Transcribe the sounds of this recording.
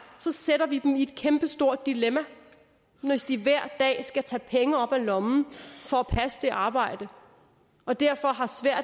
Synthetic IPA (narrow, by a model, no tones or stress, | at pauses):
sɒ̽seɾ̥ɐʋid̥mie̝d̥̚kʰemb̥əsd̥o̝ɐ̰d̥ːilemæ | nɒʋesd̥iʋæɐ̰̥d̥ɛ̰ːsɡ̥æt͡sʰɛ̰ːpʰeŋəɒ̽b̥ælɒ̽mn̩fɒ̽æpʰæsə̥d̥e̝ʔɑ̈ːb̥ɑ̈ɪ̰d̥ə | ɒ̽d̥æɐ̰fɒ̽ɦɑ̈sʋæɐ̰d̥